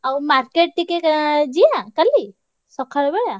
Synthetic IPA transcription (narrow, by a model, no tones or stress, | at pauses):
awmaɾkeʈ̚ʈ̪ikekd͡ʒiãkəli | sɔkʰaɭbeɽa